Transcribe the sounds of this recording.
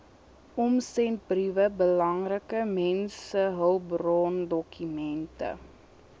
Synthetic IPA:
ɔmsɛnt̚brivəbəlɐŋrəkəmɛnsəɦəwbrɔndɔkymɛntə̰

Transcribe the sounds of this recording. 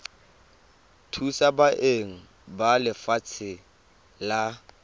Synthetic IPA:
tʰusabaʔeŋ̩ | balɪfat͡sʰɪ | la

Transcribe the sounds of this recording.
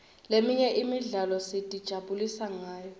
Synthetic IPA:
lemiɲɛʔimiɮalɔsitʼid̥ʒ̥ʱaɓulisaŋaːjɔ

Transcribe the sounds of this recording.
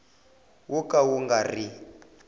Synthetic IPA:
wukʼawuŋɡari

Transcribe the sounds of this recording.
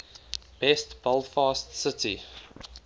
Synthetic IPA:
b̥ɛstb̥əlˠfɑːstsətḭ

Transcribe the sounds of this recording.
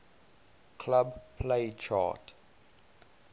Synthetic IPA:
kʰlabpʰlet͡ʃʰa̰t

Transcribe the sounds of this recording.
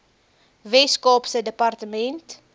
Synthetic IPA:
vɛskɔpsədəpɐrtəmɛnt

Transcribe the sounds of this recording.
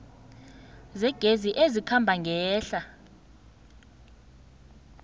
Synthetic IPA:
zɛɡ̥ʱeziʔezikʰambʱaŋɡʱɛːɬa

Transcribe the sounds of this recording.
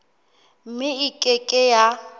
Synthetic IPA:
m̩mɪikʼɪkʼɪja

